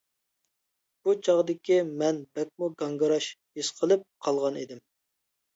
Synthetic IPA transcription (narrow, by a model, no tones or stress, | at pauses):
b̥ut͡ʃʰɑʁd̪ɪkʲimɛnbɛk̚ʲmuɡɑŋɡɨɾɑʃjesqʰəlˠɨp̚qʰɑlˠʁɑnid̪ɪm